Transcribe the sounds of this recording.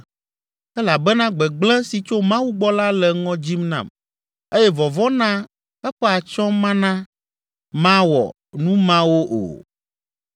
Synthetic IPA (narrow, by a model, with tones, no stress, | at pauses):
ɛ˦la˨bɛ˦nã˦ɡ͡bɛ˨ɡ͡blɛ̃˦si˨t͡ʃo˦mã˦wu˦ɡ͡bɔ˦la˦lɛ˨ŋɔ̃˦d͡ʑi˦mnã̰˨m | e˦jɛ˦vɔ˨vɔ˦nã˦ | ɛ˦ɸɛ˦a˨t͡ʃɔ̃˦mã˦nã˦ | mã˦wɔ̰˨ | nũ˦mã˦wo˦ʔo̰˨